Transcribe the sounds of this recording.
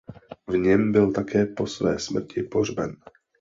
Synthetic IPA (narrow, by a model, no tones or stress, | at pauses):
vɲɛmbɪlt̪akɛːpo̞svɛ̰ːsmr̩cʰɪpor̝bɛn